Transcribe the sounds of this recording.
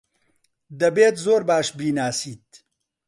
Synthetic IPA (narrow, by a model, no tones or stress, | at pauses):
d̪ɐbeːt̪zoːɾbaːʃbiːnaːsiːt̪̚